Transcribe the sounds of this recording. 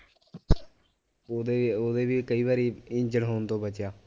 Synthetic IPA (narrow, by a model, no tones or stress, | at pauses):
oːd̪eoːd̪eːbiːkəiːbaːɾiːɪ̃ɲd͡ʒəɽɦoːnt̪õːbət͡ʃjaː